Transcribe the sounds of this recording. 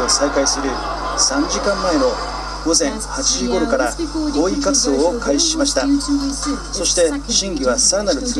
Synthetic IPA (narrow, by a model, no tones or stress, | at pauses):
osaikaisɨɾɯ̟ | sãɲ̟d͡ʑikãmːae̞no̞ | ɡ̥o̞zẽ̞ŋ̃hat͡ɕiʑiɡo̞ɾokaɾako̞ːikat͡sɨd̪o̞ːokʰaiɕi̥ɕimaɕi̥t̪a | so̞ɕi̥t̪e̞ɕĩŋɡʲiβ̞asaɾanaɾɯ̟t͡s